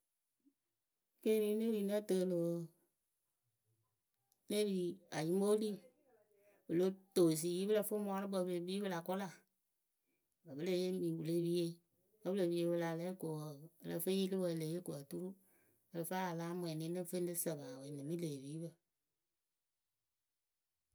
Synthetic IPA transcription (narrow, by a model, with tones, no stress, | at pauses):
ke˦ɾi˨˦ne˦ɾi˨˦na˦tə˨lo˨ | ne˦biː˨˦a˨ji˦mo˦li˦ | bo˨lo˦to˨s̬i˨ji˦bə˦lə˧fo˦mu˦a˦ɾɨ˦bə˨˧˨bə˧le˨bi˦bə˦˧la˨kɔ˦la˨ | ba˨bə˦le˦je˦mĩ˨wu˨le˦bi˦je˦ | bə˦bɨ˦le˨bi˦e˧˦bə˧la˨lɛː˦ko˨ə˧lə˧fe˦ji˦lɨ˦wə˧˨˧le˨˦je˦ko˨a˨tu˦ɾu˦ | ə˧lə˧fa˦a˨laː˦m˧˨ɛ˨nĩ˨˦nɨ˦fe˦n˦dɨ˦sə˨ba˨we˨nɨ̃˨mi˦le˨e˨βiː˨˦bə˨